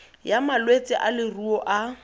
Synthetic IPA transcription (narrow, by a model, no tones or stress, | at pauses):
jamalwet͡sʼɪʔalɪruɔʔa